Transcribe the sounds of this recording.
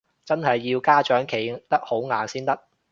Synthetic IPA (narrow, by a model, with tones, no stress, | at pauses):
t͡sɐ˥nɦɐ˨jːiː˧wkaː˥t͡ʃœː˨˥ŋkʰe˨˩jt̪ɐ˥k̚ho˨˥wŋaː˨˩nsiː˥nt̪ɐ˥k̚